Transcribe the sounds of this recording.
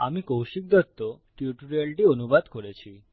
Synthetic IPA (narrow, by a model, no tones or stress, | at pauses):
amikowʃik̚d̪ɔt̪ːo | ʈiuʈuɾelʈionubad̪koɾet͡ɕʰi